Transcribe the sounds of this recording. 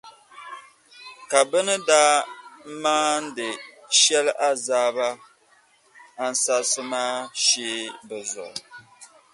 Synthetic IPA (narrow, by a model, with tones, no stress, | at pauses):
ka˨bɨ˦nɨ˦daː˦maː˦n̩˦dɨ˨ʃɛ˦lʔa˦zaː˦ba˦ | a˦n̩˦sa˦sɨ˦maː˦ʃeː˦bɛ˨zʊ̰˨ʔʊ˨